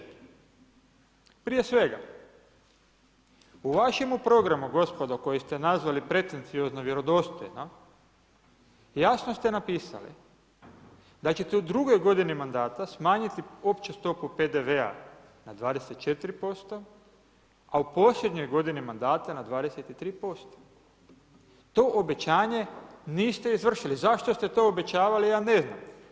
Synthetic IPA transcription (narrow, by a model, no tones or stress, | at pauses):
pɾije̞sʋe̞ɡa̰ | uʋaʃe̞mupɾo̞ɡɾamuɡo̞spo̞d̪oko̞jest̪enazʋalipɾe̞t̪e̞nt̪sio̞znoʋje̞ɾo̞d̪o̞st̪o̰jno | jaːsno̞st̪e̞napiːsa̰lḭ | d̪at͡ɕe̞t̪eud̪ɾuɡo̞jɡo̞d̪inimand̪aːt̪asmaːɲit̪io̞pt͡ɕest̪o̞pupe̞d̪eʋea̰ | nad̪ʋaːd̪eset̪t͡ʃe̞t̪iɾipo̞st̪o | aupo̞ːsʎʲed̪ɲo̞jɡo̞d̪inimand̪aːt̪anad̪ʋaːd̪e̞set̪it̪ɾiːpo̞st̪o̥ | t̪o̞ʔobe̞t͡ɕaːɲe̞niːst̪e̞izʋr̩ʃilizaʃt̪o̞st̪e̞t̪o̞obe̞t͡ɕaːʋalijaːne̞zna̰m